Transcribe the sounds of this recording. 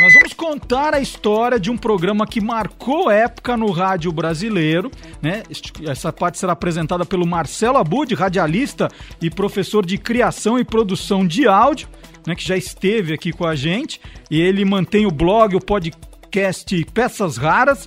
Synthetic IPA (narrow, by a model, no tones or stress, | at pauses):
nɔzvɐ̃mʊskõnt̪aɾɐist̪ɔɾʲiɐd͡ʒɪũpɾoɡɾɐ̃mɐkɪmaɾkowɛpʊ̥kɐnʊɦad͡ʒjʊbɾazilejɾʊnɛ̥ɛsɐpaɾt͡ʃɪ̥seɾaːpɾezẽnt̪ad̪ɐpelʊmaɾsɛlʊabud͡ʒɪɦad͡ʒialist̪ɐɪpɾofesoɾd͡ʒɪkɾiasɐ̃w̃ɪpɾod̪usɐ̃w̃d͡ʒɪawd͡ʒiʊnɛkɪʒaɪst̪evɪakikõaʒẽnt͡ʃɪ̥ɪelɪmɐ̃t̪ẽj̃ʊblɔɡɪʊpod͡ʒɪ | kɛst͡ʃɪpɛsɐzhaɾɐs